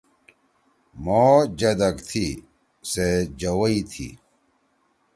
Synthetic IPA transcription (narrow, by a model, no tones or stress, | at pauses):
moːd͡ʑɐd̪ɐkt̪ʰi | sed͡ʑɐwɐit̪ʰḭ